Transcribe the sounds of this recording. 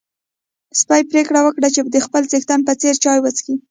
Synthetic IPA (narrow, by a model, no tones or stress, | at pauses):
spajpɾekɽawəkɽat͡ʃed̪əxpəlt͡sext̪anpət͡seɾt͡ʃɑjwət͡ski